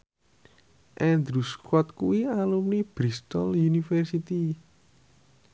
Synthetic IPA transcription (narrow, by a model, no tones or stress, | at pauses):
ʔɛnd̪ɾuskwɔt̪̚kuwialumnib̥ɾist̪ɔljunifɛrsit̪i